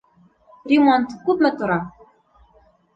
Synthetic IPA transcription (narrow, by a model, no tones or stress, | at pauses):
rʲemont̪kup̪mɤ̆t̪ɤ̆ɾɑ